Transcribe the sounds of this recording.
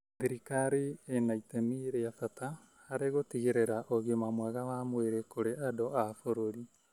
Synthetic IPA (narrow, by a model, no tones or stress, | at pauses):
ðiɾikaɾeːnaitemiɾeatataː | ɾeɣotiɣeɾeɾaʔoɣomamwaɣaβamweɾekoɾeʔadɔafoɾoɾi